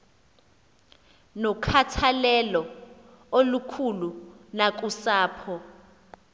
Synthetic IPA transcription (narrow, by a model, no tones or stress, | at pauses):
nɔkʰatʰalɛlɔ | olukʰulunak̬ʼusaːpʰɔ